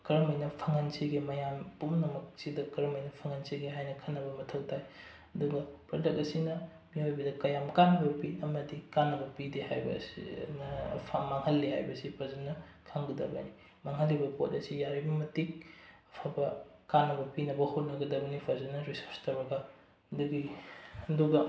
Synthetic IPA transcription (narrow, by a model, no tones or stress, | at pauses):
kɐɾɐmɐjnɐpʰɐŋɐnsiɡimɐjampumnɐmɐk̚sidɐkɐɾɐmɐjnɐpʰɐŋɐnsiɡiɦajnɐkʰɐnːɐbɐmɐtʰɐwtʰaj | ɐduɡɐpɾodɐk̚ɐsinɐ | miojbɐdɐkɐjamkanɐbɐpiɐmɐdikanːɐbɐpidiha̰jbɐ̰snɐpʰamaŋhɐlːiha̰jbɐsipʰɐzɐnːɐ | kʰaŋɡɐdɐ̰bɐ̰ni | maŋhɐlːibɐpo̰t̚ɐsijaɾibɐmɐtik̚ɐpʰabɐkanːɐbɐpinɐbɐhot̚nɐɡɐdɐbɐnipʰɐzɐnɐɾisoɾstɐwɾɐɡɐ | duɡiɐduɡɐ